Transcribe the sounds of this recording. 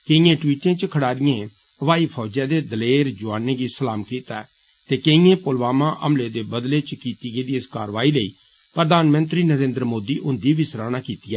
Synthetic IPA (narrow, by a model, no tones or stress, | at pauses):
keĩjẽːʈwiːʈẽːt͡ʃkʰəɽaːɾɪjẽː | ʋaːiːpʰɔːd͡ʒɛːd̪eːd̪əleːɾd͡ʒʊaːneːɡiːsəlaːmkiːt̪a | t̪eːkeĩjẽːpʊlʋaːmãːʔə̰mleːd̪eːbəd̪leːt͡ʃkiːt̪iːɡeːd̪iːɪskaːɾʋaːiːleiː | pɾəd̪aːnmə̃nt̪ɾiːnəɾẽːnd̪ɾəmoːd̪iːʔʊnd̪iːbʱiːsɾaːnaːkiːt̪iɛː